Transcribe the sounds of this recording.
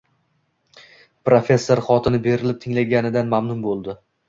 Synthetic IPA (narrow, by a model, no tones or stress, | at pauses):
pɾofʲe̞sːoɾχɒt̪ʰɪnɪbe̞ɾɪlɪp̚t̪ʰɪŋlaɡʲanɪd̪anmamnʊmbolˠd̪ɪ